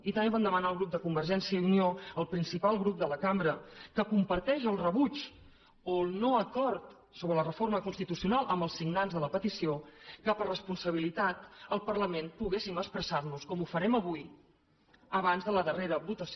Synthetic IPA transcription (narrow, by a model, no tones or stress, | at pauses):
it̪əmeβand̪əmənaːlˠɣɾup̚d̪əkumbəɾʒɛnsiəiunioəlˠpɾinsipalˠɣɾup̚d̪ələkambɾəkəkumpəɾt̪ɛʃəlˠrəβut͡ʃ | olnoəkɔɾt̪ | soβɾələrəforməkunst̪it̪usiunalˠʔəmbəlˠsːiɡnanzðələpət̪isiokəpərəspunsəβ̞ilit̪at̪əlˠpərləmenpuɣesiməkspɾəsarluskɔmufəɾɛməβ̞uj | əβanzðələðəreɾəβut̪əs